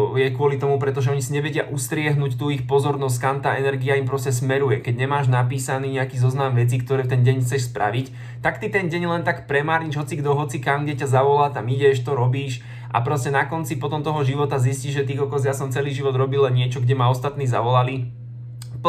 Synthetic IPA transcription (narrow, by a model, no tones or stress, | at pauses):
jɛkʊɔlit̪ɔmupɾɛt̪ɔʒɛɔɲisiɲɛʋɛɟɪaʔust̪ɾɪɛɦnuːct̪uixpɔzɔɾnɔs̬ckamt̪aːɛnɛɾɡiaimpɾɔscɛsmɛɾujɛkɛɟɲɛmaːʒnapiːsaniːɲɛakiːzɔznamʋɛt͡siːk̚t̪ɔɾɛːft̪ɛnɟɛɲxt͡sɛʃspɾʔa̰ʋic | t̪akt̪it̪ɛnɟɛɲlɛnt̪akpɾɛmaːɾɲiʒɦɔt͡siɡd̪ɔɦɔt͡sikamɡɟɛcazaʋɔlaːt̪amiɟɛʃt̪ɔɾɔbiːʃ | ʔa̰pɾɔscɛnakɔnt͡sipɔt̪ɔmt̪ɔɦɔʒiʋɔt̪azisciʒʒɛt̪ikɔkɔzjasɔmt͡sɛliːʒiʋɔd̪ɾɔbilːɛnɲɪɛt͡ʃɔɡɟɛmaɔst̪at̪niːza̰ʋɔlali